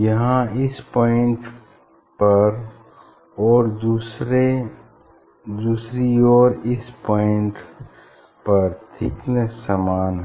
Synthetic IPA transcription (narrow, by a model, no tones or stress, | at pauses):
jəɦãɪspɔːɪɳʈ | pɐɾ | ɔːɾusɾe | d̪uːsɾiɔːɾɪspɔːɪɳʈ | pɐɾt̪ʰɪknəsəmaːnɦ